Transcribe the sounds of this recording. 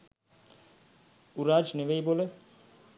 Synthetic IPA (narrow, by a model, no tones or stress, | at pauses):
uɾaːd͡ʒneʋejbolə